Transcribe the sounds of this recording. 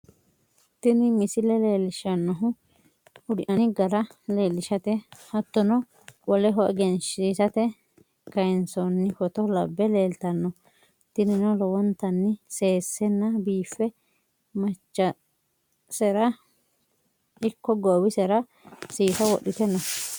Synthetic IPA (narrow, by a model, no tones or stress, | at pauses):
t̪ɪnɪmɪsɪlɛleːlɪʃɐnːɔɦʊ | ʊd̪ɪʔɐnɪɡɐɾɐle̞ːlːɪʃɐt̪ɛhɐt̪ːɔnɔ | wɔlɛɦɔʔɛɡɛnʃiːsɐt̪ɛ | kɐɛnsɔnːɪkɔt̪ɔlɐbːɛle̞ːlt̪ɐnːɔ | t̪ɪnɪnɔlɔwɔnt̪ɐnːɪse̞ːsːɛnːɐbiːfːɛ | mɐt͡ʃːɐ | sɛɾɐ | ɪkːɔɡoːwɪsɛɾɐ | siːsɐwɔ̰ɗɪt̪ɛnːɔ